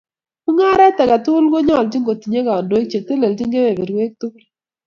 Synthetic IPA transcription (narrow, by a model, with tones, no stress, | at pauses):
ku˦ŋa˦ɾa˦tɛ˨ka˨tʊ˦lɡo˦ɲɔ˦˨ld͡ʒi˦ŋɡo˨ti˨ɲe˦ka˨ɔ˨ndo˨i˦k̚t͡ʃe˨te˦le˨ld͡ʒi˦ŋɡe˦we˨be˨ɾwe˦k̚tu˦kl